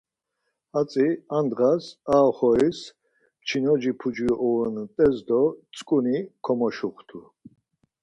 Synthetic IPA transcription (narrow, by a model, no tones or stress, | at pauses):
at͡sʼiand̪ʁasaːχɔis | t͡ʃʰinɔd͡ʒipʰud͡ʒiɔʔɔɛnt̪ʼɛzd̪ɔt͡sʼkʼunikʰɔmɔʃuχt̪ʰu